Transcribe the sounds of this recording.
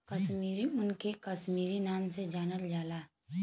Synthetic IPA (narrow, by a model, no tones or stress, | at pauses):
kɐʃmiːɾiʊnkekɐʃmiːɾinaːmsed͡ʒaːnəld͡ʒaːlaː